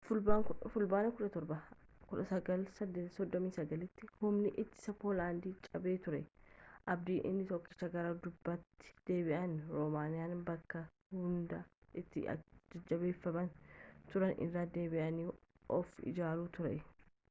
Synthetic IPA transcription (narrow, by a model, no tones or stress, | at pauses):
fʊlbaːkʊfʊlbaːnɐkʊᶑɐt̪ɔɾbɐ | kʊᶑɐsɐɡɐlsɐsɔd̪ːɔmiːsɐɡɐlɪt̪ːɪhʊmnɪʔɪt̪ːɪ̥sɐpoːlaːnd̪iːt͡ʃʼɐbe̞ːt̪ʊɾɛʔɐb̚d̪iːʔɪ̰nːɪt̪ɔkːɪʃɐɡɐɾaːd̪ʊbːɐt̪ːɪ̥d̪̥eːbɪʔɐnɾɔmaːnɪjaːnbɐkːɐ | hʊnd̪ɐʔɪt̪ːɪ̰ɐ̰d͡ʒɐd͡ʒɐbe̞ːfːɐmɐnt̪ʊɾɐnʔɪ̰rːaːd̪e̞ːbɪʔɐniː | ʔɔfɪ̰d͡ʒaːluːt̪ʊɾɛ̰